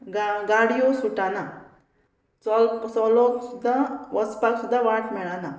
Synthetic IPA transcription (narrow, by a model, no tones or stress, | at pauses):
ɡaɡaɽijosuʈana | t͡sɔlt͡sɔlɔksud̪ʱːaʋəspaksud̪ʱːaʋaʈmɛɭana